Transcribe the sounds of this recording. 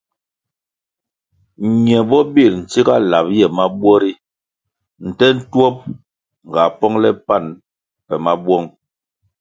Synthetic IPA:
ɲɛ˨bɔ˦bi˦˨ɾn̩˨t͡si˦ka˦la˨p̚jɛ˨ma˦bwɔ˦ɾi˦ | n̩˨tɛ˦n̩˦twɔ˦p̚ | ŋ̩˨ɡa˨pɔ˦ŋlɛ˦pa˦˨n | pɛ˨ma˦bwɔ˦ŋ

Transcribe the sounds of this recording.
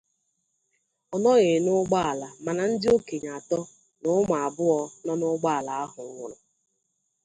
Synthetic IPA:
ɔ˨nɔ˦ɣe˨nʊ˦ɡ͡ba˦a˨la˨ma˨na˨n̩˦dɪ˦o˦ke˨ɲa˨tɔ˦ | nʊ˨˦m˨a˨bʊ˦ɔ˦nɔ˦nʊ˦ɡ͡ba˦a˨la˨a˦ɦʊ˨ŋ̩˦ŋʷʊ˨ɾʊ˨

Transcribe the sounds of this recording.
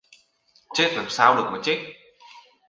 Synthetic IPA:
t͡ɕe˦˥t̚laː˨˩msaː˧wɗɨ˨˩ək̚mɔ˨˩t̚t͡ɕi˦˥k̚

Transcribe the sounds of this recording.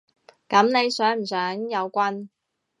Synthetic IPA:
kɐ˨˥mne˨˧jsœː˨˥ŋm̩˨˩sœː˨˥ŋjɐ˨˧wkʷɐ˥n

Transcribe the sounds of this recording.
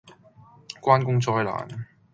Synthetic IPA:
kwaː˥nkʊ˥ŋt͡sɔː˧jla̰ː˨˩n

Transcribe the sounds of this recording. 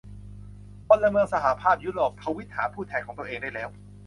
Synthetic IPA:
po˧nla˧mɯ˧əŋsa˧ɦa˩˦pʰaː˥˩p̚juː˦˥ɾoː˨˩p̚pʰa˧wi˦˥t̪̚haː˩˦pʰuː˥˩ɛː˧nkʰɔː˩˦ŋt̪u˧ʔeː˧ŋda˥˩jlɛː˦˥w

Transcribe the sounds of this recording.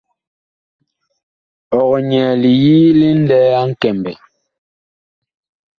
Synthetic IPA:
ɔ˨ɣɔ˨ɲɛː˨li˨jiː˦li˦n̩˦dɛː˦a˦ŋ̩˦kɛ˨mbɛ˨

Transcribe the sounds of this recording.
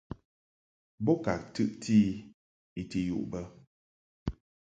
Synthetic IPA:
bɔ˦ka˨k̚tɨ˦ʔtʰiː˦ | i˨ti˦jṵ˦˨ʔbə˦

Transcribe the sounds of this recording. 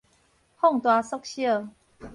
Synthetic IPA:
hɔ˥˨ŋt̪wa˧sɔ˦˥k̚ɕjə˥˨

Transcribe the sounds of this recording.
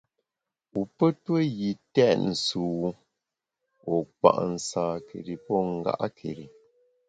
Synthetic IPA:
u˨pə˦twə˦ɣi˨tɛ˦˨ʔn̩˨su˨wu˦ | ɔ˨k͡pa̰˨ʔn̩˨sãː˨ke˨ɾi˨pɔ˦ŋ̩˨ɡa̰˦ʔa˦kʰḛ˨ɾi˨

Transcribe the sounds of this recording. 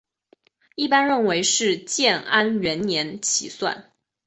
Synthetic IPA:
i˥˩pa˥nɻə˥˩nwe˧˥ɪʂɻ̩˥˧t͡ɕjɛ˥˩na˥nɥɛ˧˥nnjɛ˧˥nt͡ɕʰḭ˨˩swa̰˥˩n

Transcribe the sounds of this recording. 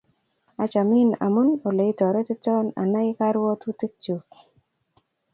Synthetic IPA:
a˨t͡ʃa˨mɪ˦na̰˨mʊ˦no˨le˨i˦tɔ˨ɾe˦t̪ɪ˦tɔ˦na̰˨na˦ɪ˦ka˦ɾwɔ˦t̪wu˦t̪i˦k̚t͡ʃu˨k

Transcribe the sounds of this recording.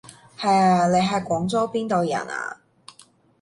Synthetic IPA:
hɐ˨jaː˧le˨˧jɦɐ˨jkʷɔː˨˥ŋt͡soː˥piː˥nt̪o˨wjɐ̰˨˩na̰ː˧

